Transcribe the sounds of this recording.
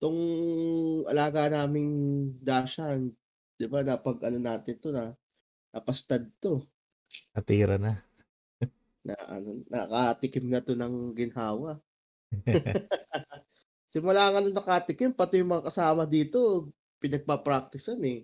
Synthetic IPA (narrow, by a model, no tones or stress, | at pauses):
t̪oŋ | ʔɐ̰laːɡanaːmɪŋd̪aːʃan | d̪̥ɪbanɐpɐɡʔɐno̞naːt̪ɪnt̪o̞nɐ | nɐpɐst̪ɐd̪̚t̪o̞ | nɐt̪iːɾɐna | nɐ̰ʔɐ̰nonːɐ̰kat̪ɪkɪmnɐt̪o̞nɐŋɡɪnɦaːwɐ | sɪmʊlaːŋɐnonɐkat̪ɪkɪmpɐt̪ɪjʊŋmɐŋakɐsaːmɐd̪iːt̪o̞ | pɪnɐɡ̚papɾak̚t̪ɪsɐnɛ